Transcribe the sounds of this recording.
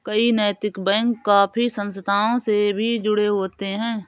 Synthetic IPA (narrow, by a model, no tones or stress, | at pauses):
kəinɛːt̪ɪkbɛ̃ːŋkːaːpʰisə̃nst̪ʰaːõsebʱid͡ʒʊɽeɦoːt̪eɦɛ̃ː